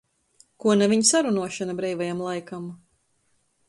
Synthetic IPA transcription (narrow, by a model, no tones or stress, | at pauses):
kuɔnaviɲsaɾunuɔʃanabɾɛjvajamlˠajkam